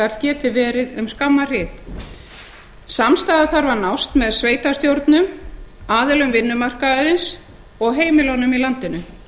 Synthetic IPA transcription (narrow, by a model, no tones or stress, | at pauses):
aɾ̥cɛːt̪ɪvɛːɾɪðʏmskamːar̥ɪːð | samst̪aːðaθaɾvaɾnawst̪mɛðsveːjt̪ast̪jowɾt̪nʏmaːðɪlʏmvɪnːʏmar̥kaɪɾɪns | ɔɣɦeːjmɪlownʏmilant̪ɪnʏ